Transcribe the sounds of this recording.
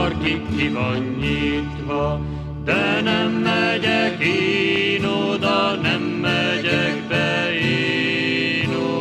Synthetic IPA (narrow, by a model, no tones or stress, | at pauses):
rkikːivɒɲːiːt̪ʋɒ | d̪̥ɛnɛmːɛɟɛkinoːd̪ɒnɛmːɛɟɛkbɛi | no